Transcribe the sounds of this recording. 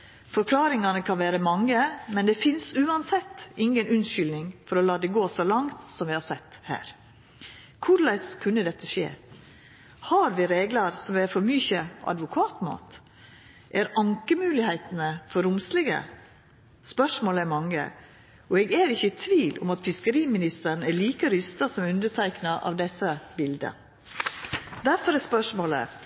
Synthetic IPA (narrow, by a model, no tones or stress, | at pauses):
fɔɾkʰlɑːɾɪŋɑnəkʰɑnʋæːɾəmɑŋːəmɛnd̪ɛːfɪnsʉːɑnsɛt̪ːʔɪŋənʉnʃʏlnɪŋfɔɾɔlɑːd̪ɛɡoːsɔlɑŋt̪sɔmʋɪhɑsɛt̪ːhæ̰ːɾ | kʰʊɾlæɪskʰʉnːəd̪ɛt̪ːəʃḛː | hɑɾʋɪːɾeːɡlɑɾsɔmʋɛɾfɔɾmyçəʔɑ̰d̪ʋʊkʰɑːt̪mɑ̰ːt̪ | ʔæɾɑŋkəmʉːlɪhæɪt̪nəfɔɾʊmslɛɡə̰ | spœʂmoːlɛmɑŋːə̰ | ɔɛɡæːɾɪçːət̪ʰʋiːlʔʊ̰mɑt̪fɪskəɾiːmɪnɪst̪əɾɳ̩æɭiːkəɾʏst̪ɑsɔmʉnd̪əʈʰæɪknɑʔɑ̰ʋd̪ɛsːəbɪld̪ə̰ | d̪æɾfɔɾɛspœʂmoːlə̰